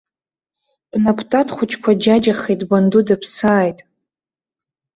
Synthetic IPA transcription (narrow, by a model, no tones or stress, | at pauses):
b̥napʰtʼatχʷʊt͡ʃʰʼkʷʰad͡ʒad͡ʒaχejtʼbandudapʰsaːjtʼ